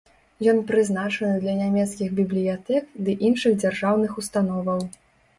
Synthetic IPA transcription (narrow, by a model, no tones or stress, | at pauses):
jɔnpɾɨznat͡ʂɐnɨd̪lʲɐnʲamʲɛt̪skʲiɣbʲiblʲijat̪ɛkd̪ɨʔinʂɨɣd͡zʲarʐawnɨxust̪an̪ɔvɐw